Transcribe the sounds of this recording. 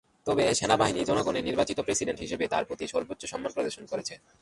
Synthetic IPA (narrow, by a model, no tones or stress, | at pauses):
t̪ɔbeʃenabaɦinid͡ʑɔnoɡoneɾniɾbat͡ɕit̪opɾesiɖenʈɦiʃebet̪a̰ɾpɾot̪iʃɔɾbot̪ːɕoʃɔmːanpɾod̪oɾʃonkoɾet͡ɕʰe